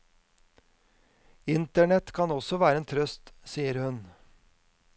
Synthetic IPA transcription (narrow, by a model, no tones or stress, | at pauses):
ɪnt̪əɳɛt̪kʰɑnɔsɔʋæːɾəeːnt̪ʰɾœst̪siːəɾhʉn